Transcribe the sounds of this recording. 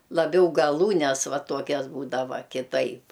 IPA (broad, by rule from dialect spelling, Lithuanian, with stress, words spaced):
lˠɐˈbʲɛʊ ɡɐˈlˠuːnʲɛs ˈʋɐ ˈtuɔkʲɛs ˈbuːdɐʋɐ kʲɪˈtɐɪp